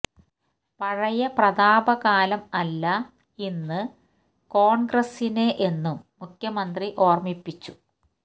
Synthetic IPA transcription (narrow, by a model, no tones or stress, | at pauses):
pɐɻɐjɐprɐd̪aːbɐɣaːlɐmɐlːɐ | inːɨ | ko̞ːɳɡrɐsineʔe̞nːumːukʰjɐmɐnd̪riʔo̞ːrmipːit͡ɕːu